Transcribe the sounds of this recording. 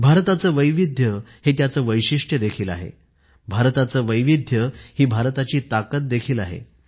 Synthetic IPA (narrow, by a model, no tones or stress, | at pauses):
bʱaɾt̪at͡səːʋəjʋid̪ʱjəhet̪jat͡səːʋəjɕiʂʈjəd̪ekʰiːla̰ɦḛ | bʱaɾt̪at͡səːʋəjʋid̪ʱjəhiːbʱaɾt̪at͡ɕiːt̪akət̪̚d̪ekʰiːlaɦḛ